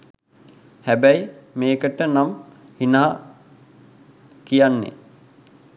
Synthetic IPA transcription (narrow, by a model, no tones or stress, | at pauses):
hæbæjmeːkəʈənamhinaɦa | kijanːḛ